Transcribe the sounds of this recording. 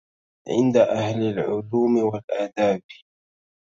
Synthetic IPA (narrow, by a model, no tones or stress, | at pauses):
ʕɪ̰nd̪aʔahlalʕʊluːmɪwalʔaːd̪aːb